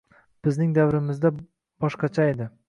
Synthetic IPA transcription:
b̥ɪznɪŋd̪avɾɪmɪzd̪a | b̥ɒʃqɑt͡ʃʰae̞d̪ɪ

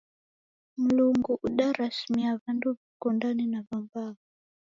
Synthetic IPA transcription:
muluŋɡuʔuɗaɾasimiaβanduβikɔndaninaβambaβɔ

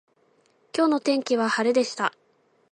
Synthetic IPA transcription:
kʲo̞ːno̞t̪ẽ̞ŋkʲiβahaɾed̪e̞ɕi̥t̪a

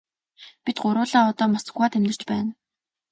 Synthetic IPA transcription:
pit̪̚ɢʊɾʊːɮaːɔt̪ɔːmasə̥̆ɣwaːt̪ʰemnɘ̆r̥t͡ɕpæːn

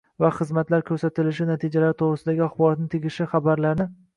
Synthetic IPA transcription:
vaχɨzmat̪laɾkʲʰɵɾsat̪ɪlɪʃɪnat̪ʰid͡ʒalaɾɪt̪ʰoʁɾɪsɪd̪aɡʲɪaχbɒɾɒt̪nɪt̪ʰeɡʲɪʃɪχabaɾlaɾnɪ

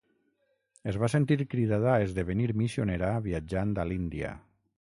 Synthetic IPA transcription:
ezβasent̪iɾkɾiðaðaezðeβeniɾmisioneɾaβiad͡ʒand̪alind̪ia̰

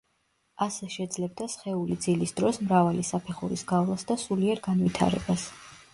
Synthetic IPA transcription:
asɛʃɛd̪zlɛb̚d̪asχɛulid̪zilisd̪ɾɔsmɾavalisapʰɛχṵɾisɡavlˠasd̪asuliɛɾɡanvit̪ʰa̰ɾɛ̰bas

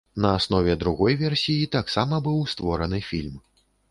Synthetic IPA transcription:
nɐasn̪ɔvʲɛd̪ɾuɣɔjvʲɛrsʲijit̪aksamɐbɨwst̪vɔɾɐnɨfʲilʲm

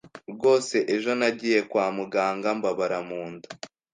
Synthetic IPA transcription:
ɾɡo̞ːse̞ʔeʒo̞naɟiːje̞kwaːmuɡaːŋɡambaβaɾamuːndu

